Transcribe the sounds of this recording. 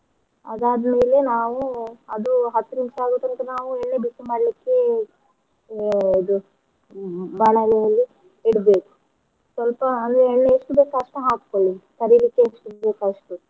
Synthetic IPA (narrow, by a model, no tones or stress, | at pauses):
ɐ̰d̪aːd̪ɐmeːle̞naːʋuɐd̪uɦɐt̪ːunimʂaːɡut̪ːɐnt̪ɐnaːʋuɛɳːebisemaːɽlikːe̞ | id̪u | baːɭalɛjɐlːi | iɽbeːku̥ | sʋɐlpɐɐnd̪ɾeːɳːeeʂʈubeːkɐɐʂʈɐɦaːk̚koɭikɐɾilikːeeʂʈubeːkaɐʂʈu